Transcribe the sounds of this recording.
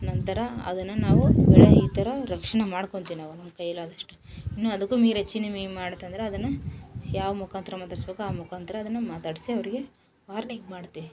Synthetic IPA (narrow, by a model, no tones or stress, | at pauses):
nɐnt̪ɐɾɐɐ̰d̪ɐnːɐnaːʋubɛɭeiːt̪ɐɾɐɾɐkʂɐɳɐmaːɽko̞ɳt̪iːʋinaːʋunɐmːɐkɐjːɐlːaːd̪ɐʂʈu̥inːuɐd̪ɐkːuːmiːɾet͡ʃinːɐmemmaːɽt̪ːɐnd̪ɐɾeɐd̪ɐnːɐjaːʋɐmukaːnt̪ɐɾɐmaːt̪aːɽisbeːkːuaːmukaːnt̪ɐɾɐːd̪ɐnːɐmaːt̪aːɽisiɐʋɐɾiɡe̞ | ʋaːɾniɡmaːɽt̪iːʋi